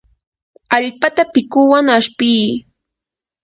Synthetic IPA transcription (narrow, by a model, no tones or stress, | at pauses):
aʎpat̪apɪkʊwaŋaʃpiː